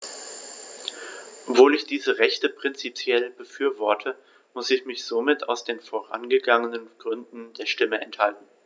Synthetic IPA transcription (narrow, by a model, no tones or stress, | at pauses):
ʔɔv̥oːlɪçd̥iːzəʁɛçtəpʁ̥ɪnt͡sipʰjɛlbəfyːɐvɔɐtʰə | mʊsɪçmɪçz̥omɪtʰa̰ʊsd̥eːnfoːʁa̰nɡəɡaŋənənɡ̥ʁʏndn̩deːɐʃtɪməɛnthaltn̩